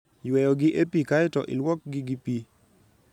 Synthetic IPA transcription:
jwɛjɔɡɪʔepikaɪtɔʔɪ̰lwɔk̚ɡiɡipi

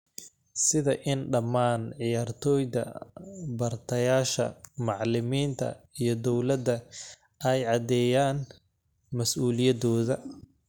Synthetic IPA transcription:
sɪðɐʔɪnɖɐmaːnʕɪjaːrt̪ʰɔːjd̪ɐ̰bɐrt̪ʰɐjaːʃɐ̰mɑʕlɪmiːnt̪ʰɐ̰ijɞd̪ɔwlɐd̪ɐ | ʔɛjʕɑd̪ɛːjaːn | mɐsʔuːlɪjɐd̪ɔːðɐ

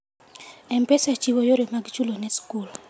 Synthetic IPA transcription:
ɛmpesat͡ʃiwojoɾemaɡt͡ʃulonɛskul

